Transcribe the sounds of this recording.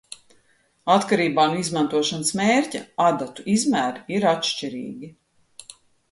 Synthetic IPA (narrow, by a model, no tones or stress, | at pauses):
at̪kaɾiːbaːnuizmãnt̪uɔʃansmeːɾcaad̪at̪uʔizmæːɾiiɾat̪ʃt͡ʃiɾḭːɡʲi